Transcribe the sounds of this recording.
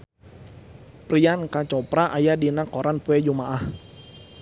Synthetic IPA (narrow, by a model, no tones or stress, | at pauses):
pɾiankat͡ʃɔpɾaʔajadinakɔɾanpuɛd͡ʒumaʔah